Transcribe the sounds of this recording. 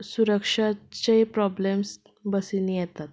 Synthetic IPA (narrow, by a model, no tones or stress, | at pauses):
suɾəkʂat͡ɕepɾɔblems | bəsinĩjɛt̪at̪̚